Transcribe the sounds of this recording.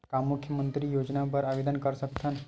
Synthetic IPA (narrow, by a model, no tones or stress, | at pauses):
kamːʊkʰjəmənt̪ɾijoːd͡ʒnapəɾaʋed̪ənkəɾsəkt̪ʰən